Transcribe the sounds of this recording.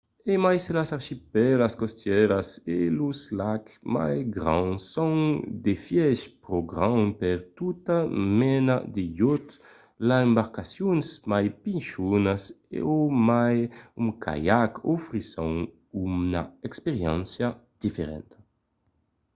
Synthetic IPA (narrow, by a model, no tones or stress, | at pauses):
emajselasaɾʃipɛlaskɔst̪jɛɾasḛluzlakma̰jɡɾã̰ŋsːɔŋd̪efjɛʃpɾoɡɾaŋpɛɾt̪ut̪amɛnad̪ejɔt̪ | laembaɾkasjunsmajpinʃunasḛomajumkʰa̰jakufɾisɔŋ | una̰ɛkspeɾjɛ̰nsjad̪̥ifeɾɛ̰nt̪a